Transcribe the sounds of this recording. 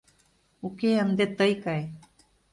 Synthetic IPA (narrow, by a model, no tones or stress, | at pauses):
ukeamd̪et̪əjkaj